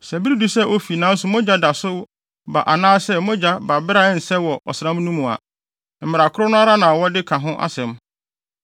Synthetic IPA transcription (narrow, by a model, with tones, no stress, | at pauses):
sɛ˨bi˦ɾi˦du˨sɛ˦ʔo˦fi˨nã˦n̩˦sʊ˨mɔ̃˦d͡ʑa˦da˨sʊ˦ | ba̰˨ʔa˨nãː˦sɛ˦mʊ̃˦d͡ʑa˦ba˨bɪ˦ɾa˦n̩˨sɛ˦wɔ˨ʔɔ̰˨sɪ˨ã˦m˦nũ˦mũ˨a̰˨ | m̩˨mɪ˨ɾa˨kʰʊ˦ɾʊ˦nʊ̃˦a˦ɾa˦nã˨wɔ˦dɪ˦kʰã˨ɦʊ̃˦ʔa̰˦sɛ̃˨m